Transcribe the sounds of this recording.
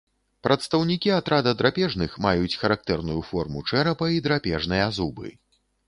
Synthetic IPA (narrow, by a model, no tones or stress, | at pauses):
pɾɐt̪st̪ɐwnʲikʲiat̪ɾad̪ɐd̪ɾapʲɛʐnɨxmajut͡sʲxɐɾak̚t̪ɛrnujufɔrmut͡ʂɛɾɐpɐid̪ɾapʲɛʐnɨjɐzubɨ̰